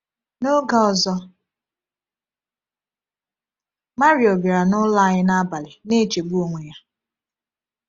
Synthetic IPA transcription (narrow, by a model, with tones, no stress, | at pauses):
no˦ɡa˦ɔ˨zɔ˦ | ma˦ɾi˨o˨bi˨ɾa˨nʊ˦la˦˨ɲɪ˦na˦ba˨lɪ˨ne˦˨t͡ʃe˨bu˦o˨ŋʷe˨ja˦